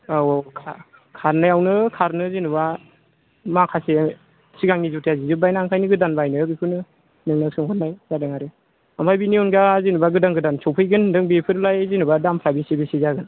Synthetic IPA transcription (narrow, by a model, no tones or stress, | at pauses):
aɔkʰa | kʰaɾnajawnɯkʰaɾnɯzinuba | makʰase | siɡaŋizutʰijazizɯbajnaŋkʰajnɯɡɯdanbajnɯbikʰɯnɯ | nɯŋnɯsɯŋkʰɔtnajzadɯŋaɾɯ | ambʰajbiniɔnɡazinubaɡɯdaŋɡɯdansʰɔwpʰɯjɡɯndɯŋbepʰɯɾlajzinubadampʰɾabisibisizaɡɯn